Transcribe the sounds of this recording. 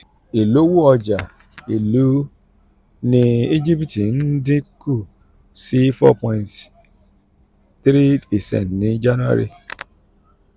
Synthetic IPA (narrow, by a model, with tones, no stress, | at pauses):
e˨lo˦wu˦ɔ˧d͡ʒa˨i˨lu˨˦ | nĩ˦i˦d͡ʒi˦pi˨ti˨n̩˦dĩ˦ku˦˨ | si˦fɔ̰˦pɔ̃˨nt | tɾi˦i˨sɛ̰˨n˨nĩ˨˦d͡ʒa˦nu˦a̰˦ɾḭ˨